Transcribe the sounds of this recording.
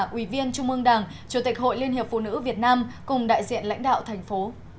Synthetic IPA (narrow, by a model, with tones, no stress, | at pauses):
ʔwi˧˩vi˧ənt͡ɕʊ˧ŋ͡mʔɨ˧əŋɗaː˨˩ŋ | t͡ɕu˨˦t̪i˨˩k̚ɦo̰˧˨jli˧ənhɦi˨˩əp̚fṵ˧˨nɨ̰˧˥vi˨˩ət̚naː˧mkʊ˨˩ŋ͡mɗa̰ː˧˨jzḭ˧˨ənla̰˧˥jŋ̟ɗa̰ː˧˨wt̪ʰɛ˨˩jŋ̟fo˨˦